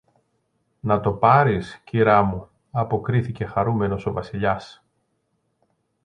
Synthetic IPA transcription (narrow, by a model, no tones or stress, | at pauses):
nɐt̪o̞pɐɾisciɾɐmu | ɐpo̞kɾiθice̞xɐɾume̞no̞so̞vɐsiʎɐs